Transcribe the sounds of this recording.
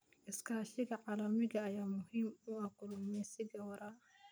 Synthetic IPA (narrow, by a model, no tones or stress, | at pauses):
ʔɪskʰaːʃɪɣɐʕaːlɐmɪɣɐːjaːmʊhiːmʊɐkʊlʊmɛsɪɡɐwɐɾa